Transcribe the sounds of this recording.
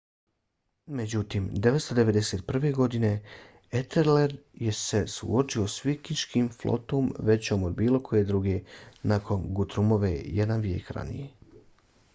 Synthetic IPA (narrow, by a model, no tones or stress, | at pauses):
med͡ʑut̪iːmd̪eʋet̪st̪od̪e̞ʋe̞d̪eseːt̪̚pr̩ʋe̞ɡo̞d̪ine̞ | et̪eɾleɾje̞se̞sṵot͡ʃio̞sʋikiʃkimflo̰t̪oːmʋe̞t͡ɕo̞ːmod̪biːlˠo̞kʰo̞jed̪ɾuɡenakʰo̞nɡut̪ɾumo̞ʋḛjed̪anʋjeːkɾa̰nḭje̞